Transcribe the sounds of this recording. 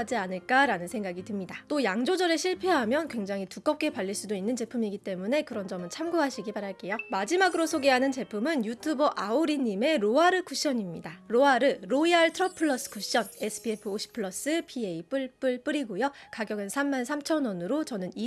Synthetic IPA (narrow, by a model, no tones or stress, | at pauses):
d͡ʑianɯɭk͈aɾanɯnsʰe̞ŋɡaɡitɯmɲidat͈ojaŋd͡ʑod͡ʑʌɾeɕʰiɭpʰe̞ɦamjʌnkwe̞ŋd͡ʑaŋɦituk͈ʌp̚k͈e̞paʎːiɭs͈udoinːɯnt͡ɕe̞pʰumiɡit͈e̞mune̞kɯɾʌnd͡ʑʌmɯnt͡ɕʰamɡuɦaɕʰiɡipaɾaɭk͈e̞jomad͡ʑimaɡɯɾosʰoɡe̞ɦanɯnt͡ɕe̞pʰumɯnjutʰubʌʔaoɾiɲime̞ɾoaɾɯkʰuɕ͈ʌɲimɲidaɾoaɾɯɾoiaɭtʰɾʌpʰɯɭːʌs͈ɯ̥kʰuɕ͈ʌnesʰɯ̥pʰiepʰɯoɕʰi̥pʰɯɭːʌs͈ɯpʰieip͈ɯɭp͈ɯɭp͈ɯɾiɡojokaɡjʌɡɯnsʰamːansʰamt͡ɕʰʌnʌnɯɾot͡ɕʌnɯni